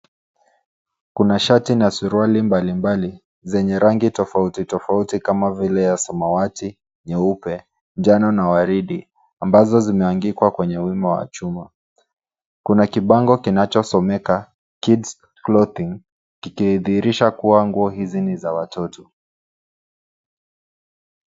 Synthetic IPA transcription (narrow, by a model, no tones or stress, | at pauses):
kunaʃatinasuɾualimbalimbali | zɛɲɛɾaŋɡitɔfautitɔfautikamavilɛjasamawati | nɛupɛ | nd͡ʒanɔnawaɾiɗi | ambazɔzimɛaŋɡikwakwɛɲɛwimawa̰t͡ʃuma | kunakiɓaŋɡɔkinat͡ʃɔsɔmɛka | kids | klɔθiŋ | kikiðiːɾiʃakuwaŋɡuɔɦizinizawatɔtʰɔ̥